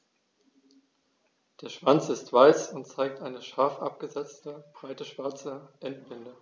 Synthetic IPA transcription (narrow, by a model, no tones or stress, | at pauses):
d̥eːɐʃv̥ant͡sɪstv̥aɪsʊntt͡saɪk̚tʔaɪnəʃaɐfʔa̰p̚ɡ̥əzɛt͡stəb̥ʁaɪtəʃv̥aɐt͡səʔɛntb̥ɪndə